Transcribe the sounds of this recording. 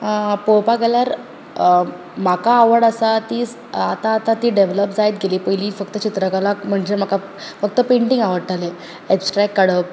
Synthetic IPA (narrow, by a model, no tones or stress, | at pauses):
powpaɡeljaɾ | m̤akaːʋəɽəsat̪iːs | at̪aːt̪at̪iːɖeʋləpd͡zajt̪̚ɡeliːpəjliːfəkt̪ət͡ɕit̪ɾəkalakm̤əɳd͡ʑem̤aka | fək̚t̪əpẽɳʈĩŋɡaʋəɽʈale | ɛpsʈɾɛkːəɽəp